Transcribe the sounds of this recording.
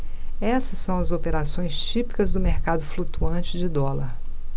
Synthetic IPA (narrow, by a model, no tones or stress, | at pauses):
ɛsɐsːɐ̃w̃ɐzopeɾasõj̃st͡ʃipi̥kɐzd̪ʊmeɾkad̪ʊflut̪uɐ̃t͡ʃɪd͡ʒɪd̪ɔlɐɾ